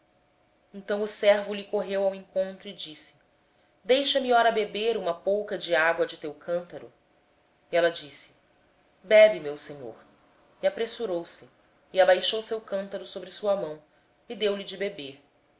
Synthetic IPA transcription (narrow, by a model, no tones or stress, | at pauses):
ẽnt̪ɐ̃w̃ʊsɛɾvʊlikoɦewawẽŋkõnt̪ɾʊɪd͡ʒisɪ̥ | d̪ejʃɐmiɔɾɐbebeɾũmɐpowkɐd͡ʒiaɡwɐd͡ʒɪt̪ewkʰɐ̃nt̪ɐɾʊ̰ | ɛlɐd͡ʒisɪ̥ | bɛbimewseɲo̰ɾ | iapɾesuɾowsɪː | abajʃowsewkɐ̃nt̪ɐɾʊsobɾɪsuɐmɐ̃w̃ | ɪd̪ewlid͡ʒɪbebeɾ